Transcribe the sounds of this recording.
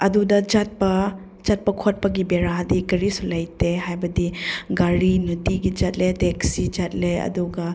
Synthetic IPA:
ɐdudɐd͡ʒɐt̚pɐ | d͡ʒɐt̚pɐkʰot̚pɐɡibeɾadikɐɾisulɐjteɦajbɐdiɡaɾinutiɡid͡ʒɐt̚ledeksid͡ʒɐt̚leɐ̰duɡɐ

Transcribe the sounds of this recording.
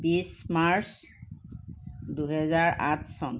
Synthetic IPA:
bismaɹs | duɦɛzaɹʔã̰tʰsɔn

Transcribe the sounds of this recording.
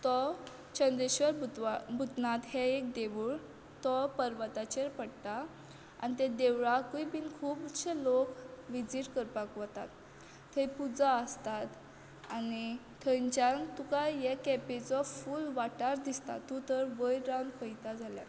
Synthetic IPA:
t̪ɔ | t͡ɕənd̪ɾeɕʋəɾbabʱut̪nat̪hɛek̚d̪eʋuːɭ | t̪ɔpəɾʋət̪at͡ɕeɾpəɽt̪a | a̰nit̪ẽd̪eʋɭakuipinkʰuːpt͡ɕʰelokʋid͡ziʈkəɾpakʋɔt̪a̰t̪ː | hepud͡zaəst̪at̪ | ani | t̪ʰəɲt͡ɕant̪ukajɛkɛpet͡sɔfuːlʋaʈaɾd̪ist̪a̰t̪ːũt̪əɾʋəjɾawnfʰəjt̪ad͡zalja̰

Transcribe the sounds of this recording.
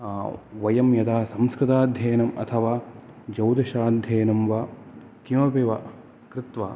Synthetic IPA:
ʋɐjɐmjɐd̪aːsɐmskɾɪt̪aːd̪ʱjɐːjɐnɐmɐ̰t̪ʰɐʋaː | d͡ʒɐwd̪ɐʃaːd̪ʱjɐjnɐmʋɐ | kimɐbeʋɐ | kɾɪt̪ʋa̰ː

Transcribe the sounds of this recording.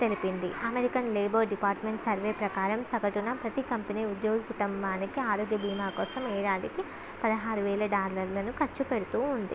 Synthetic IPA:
t̪e̞lipind̪iɐmeɾikɐnleːboːɖipaːɾʈme̞ɳʈsɐɾʋeːpɾɐkaːɾɐmsɐkɐʈunɐpɾɐt̪ikɐmpiniːud̪joːɡɐkuʈumbaːnikiaːɾoːɡjɐbʱiːmaːkɔːsɐmɛːɾaːliki | pɐd̪ɐɦaːɾuʋɛːlɐɖaːɾlɐɾlɐnukɐɾt͡ʃupeɽut̪uːund̪ḭ

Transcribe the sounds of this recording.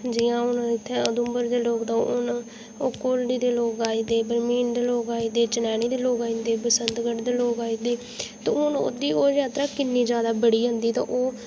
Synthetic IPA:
d͡ʒɪjãːʊnɪt̪ʰːɛ̃ːəd̪ʊmbəɾd̪eːloːkd̪ãːʊn | oːkoːlɖiːd̪eːloːkaːiːd̪eːbəɾmiːnd̪eːloːkaːiːd̪eːt͡ʃənɛːɽ̃iːd̪eːloːkaːind̪eːbəsənd̪ɡəʈd̪eːloːkaːiːd̪eː | t̪ãʊno̰d̪iːoːzjaːt̪ɾãːkɪnːiːd͡ʒjaːd̪aːbəɽiːɦə̃nd̪iːt̪ã̰ːʔoː

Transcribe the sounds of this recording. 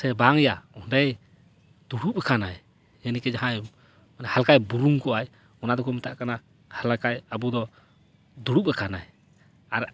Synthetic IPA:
sɛbaŋjaɔndɛj | d̪̥uɽup̚ɛkʰanaj | ɛnikɛd͡ʒaɦãj | manɛhalkajbuɾuŋkɔʔaj | ɔnad̪ɔkʰumɛt̪aʔkana | halakajabud̪ɔ | d̪uɽup̚ɛkʰanaj | aɾ

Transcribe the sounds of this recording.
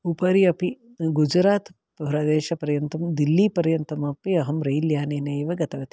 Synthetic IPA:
upɐɾiɐpi | ɡud͡ʒɾaːt̪ | bɐɦɾaːd̪eːʃɐpɐɾjɐnt̪ɐmd̪ilːipɐɾjɐnt̪ɐmɐpiɐɦɐmɾɐjljaːneːneːʋɐɡɐt̪ɐʋɐt̪i

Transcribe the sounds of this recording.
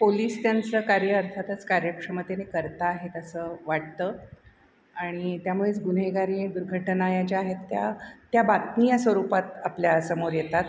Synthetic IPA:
poliːst̪jant͡səkaɾjəːɾt̪ʰat̪ət͡skaɾjəkʂəmət̪enekəɾt̪aːɦet̪əsəʋaʈ̚t̪ə | aɽ̃it̪jamuɭet͡sɡunɦeɡaɾid̪uɾɡʱəʈnajat͡ɕeaɦet̪ːjat̪jabat̪nijasʋəɾupat̪apljasəmoɾjet̪at̪̚

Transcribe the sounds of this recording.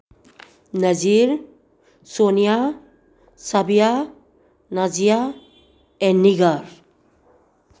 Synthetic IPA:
nad͡ʒiɾ | sonija | sabija | nazija | ɛnːiɡaɾ

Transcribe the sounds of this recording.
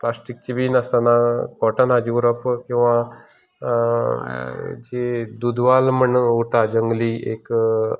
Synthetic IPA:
plasʈik̚t͡ɕibʱinast̪anakɔʈənad͡ʑiuɾəpkĩw̃ʋã | d͡ʒed̪ud̪ʋalməɳut̪ad͡ʒəŋɡliḛk

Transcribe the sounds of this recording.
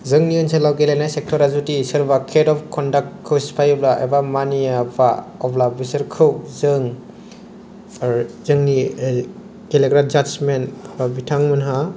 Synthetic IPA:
zɯŋniɔnsʰelawɡelenajsek̚tʰɔɾazutisɐɾbakʰedɔpʰkʰɔndakkʰːɯwspʰajblaʔḛbamanijapaɔplabisɐɾkʰɯwzɯŋ | zɯŋni | ɡ̥eleɡɾad͡ʒad͡ʒmenpʰbabitʰaŋmɯnɦa

